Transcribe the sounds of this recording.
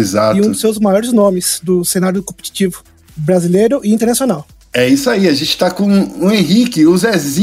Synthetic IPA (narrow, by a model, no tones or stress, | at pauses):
ezaiũd̪ʊsewzmajɔɾɪznõmɪsd̪ʊsẽnaɾjʊkõpe̥t͡ʃi̥t͡ʃivʊ | bɾazilejɾʊʔɪĩt̪̬eɾnasiõnaw | ɛisʊaiɐʒẽnt͡ʃɪ̥t̪akõuẽɦikɪʊzɛzĩ